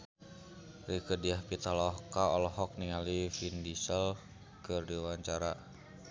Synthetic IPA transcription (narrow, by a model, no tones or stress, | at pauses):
rikədiahpit̪alɔhkaɔlɔɦɔk̚niŋalifindisəl | kərdiwaɲt͡ʃaɾa